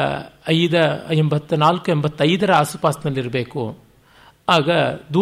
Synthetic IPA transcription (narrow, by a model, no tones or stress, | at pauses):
ɐjd̪ɐembɐt̪ːunaːlkuembɐt̪ːɐjd̪ɐɾɐaːsupaːsd̪ɐlːiɾɐbe̞ːkṵ | aːɡɐd̪uː